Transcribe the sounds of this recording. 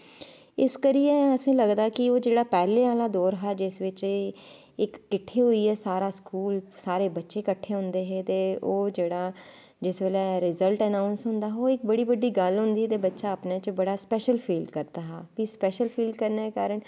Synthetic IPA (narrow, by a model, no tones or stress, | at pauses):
ɪskəɾieəsẽːləɡd̪aːkɪoːd͡ʒeːɽaːpɛːlẽːaːlaːd̪oːɾɦɛːd͡ʒɪsʋɪt͡ʃː | ɪkːɪʈʰːeːɦoːiːɛːsaːɾaːskuːlsaːɾeːbətːʃeːkəʈʰːeːɦʊ̃nd̪eːɦɛːt̪eːoːd͡ʒeːɽaː | d͡ʒɪsbeːlɛːɾɪzəlʈɛnaːʊnsɦʊ̃nd̪aːɦoːɪk̚bəɽiːbəɖːiːɡəlɦʊ̃nd̪iːɛt̪eːbətːʃaːəpnaːt͡ʃbəɽaːspɛːʃəlpʰiːlɖkəɾd̪aːɦaːpispɛːʃəlpʰiːlɖkəɾneːkaːɾəɳ